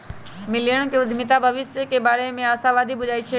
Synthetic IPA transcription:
mɪljəɽ̃keʊd̪ʱmɪt̪abʱəʋɪsjəkebaːɾemẽaːsãʋaːd̪ʱibʊd͡ʒaːit͡ʃʰe

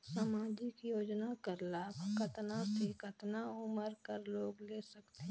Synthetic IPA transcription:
saːmaːd͡ʒɪkjoːd͡ʒnakəɾlaːbkət̪nasekət̪naʊməɾkəɾloːɡleːsəkt̪e

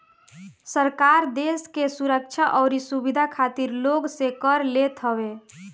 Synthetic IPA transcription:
səɾkaɾd̪eskesuɾək̚t͡ʃʰaʔɔʊɾisubid̪ʱakʰat̪iɾloɡsekəɾlet̪ɦəbe

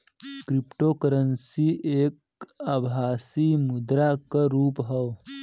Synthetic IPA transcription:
kɾipʈoːkəɾənsieːk̚ | əbʱaːsimud̪ɾakəɾuːpɦɐw

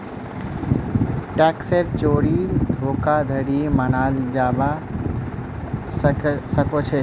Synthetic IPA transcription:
ʈɛkseɾt͡ʃoːɽid̪ʱoːkad̪ʱəɽimənaːld͡ʒaːʋa | ssəkot͡ʃʰe

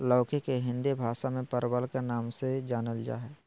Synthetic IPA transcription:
lɔːkʰekeɦɪ̃nd̪ebʱaːʃamẽpəɾbəlkenaːmsed͡ʒaːnəld͡ʒa̰ːɦɛː

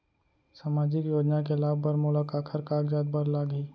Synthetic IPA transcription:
saːmaːd͡ʒɪkjoːd͡ʒnakelaːbbəɾmʊlakaːkʰəɾkaːkd͡ʒaːd̪̚bəɾlaːɡəiː

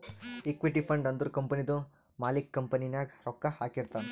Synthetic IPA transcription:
ikʋiʈipʰɐɳɖɐnd̪uɾkɐmpɐnid̪u | maːlikːɐmpɐninjaɡɾɔkːaha̰ːkiɾt̪an

